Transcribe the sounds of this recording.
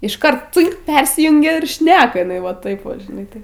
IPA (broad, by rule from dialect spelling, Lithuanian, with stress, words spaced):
ɪʃˈkɐrt ˈt͡sɨŋk ˈpʲɛrʲsʲɪjʊŋʲɡʲɛ ɪr ˈʃʲnʲæːkɐ ɪˈnɐɪ ʋɐ ˈtɐɪp ˈʋɐ ʒʲɪˈnɐɪ tɐɪ